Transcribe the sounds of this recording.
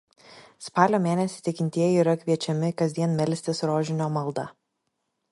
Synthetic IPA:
spɑːlʲoːmʲeːnʲɛsʲɪt̪ʲɪkʲɪnʲt̪ʲiɛjɛiːɾɐkʲʋʲiɛt͡ʃʲɛmʲɪkɐzʲd̪ʲiɛnmʲɛlʲsʲt̪ʲɪsɾoːʒʲɪnʲoːmɐlˠd̪ɐ

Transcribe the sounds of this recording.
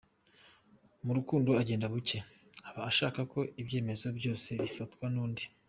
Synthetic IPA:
muɾukuːndoaɟe̞ːndaβuce̞ | aβaːʃaːkakʰo̞ʔibɟe̞ːme̞zo̞bjo̞ːse̞βifatkwanuːndi

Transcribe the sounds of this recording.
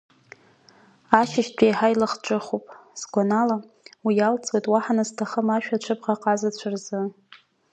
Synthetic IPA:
aʃɪʃtʷᶣʰʼejħajlaχʈ͡ʂʷʼɨχupʼsɡʷanala | wijalt͡sʼwejtʼwaħanastʰaχəmaʃᶣat͡ʃʷʰɨbʁaqʼazat͡ɕʷʰarzɨ

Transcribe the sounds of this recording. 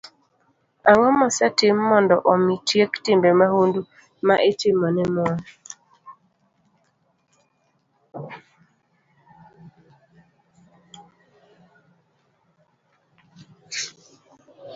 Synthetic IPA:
aŋɔmɔsɛtɪmːɔndɔʔɔmitjektɪmbemahundu | maʔetɪmɔnɛmwɔ

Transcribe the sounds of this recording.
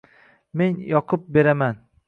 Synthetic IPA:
me̞njɒqʰʊp̚be̞ɾaman

